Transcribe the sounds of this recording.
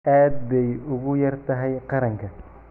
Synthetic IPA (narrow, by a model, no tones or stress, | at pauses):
ʔaːd̪̚bɛjʊɣʊjɐrt̪ʰɐɦɛjqɑɾɐŋkʰɐ